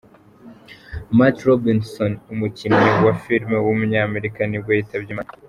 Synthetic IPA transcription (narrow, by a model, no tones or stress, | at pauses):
matɾobinsonumucimɲewafilmewumuɲame̞ɾikanibɡwaitaβɟima